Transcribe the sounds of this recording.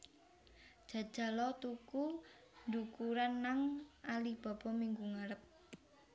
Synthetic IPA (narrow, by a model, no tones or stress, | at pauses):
d̥ʒ̥ä̤d̥ʒ̥ä̤lɔt̪uku | ndukuɾanːaŋʔalib̥a̤b̥ɔ̤miŋɡuŋaɾəp̚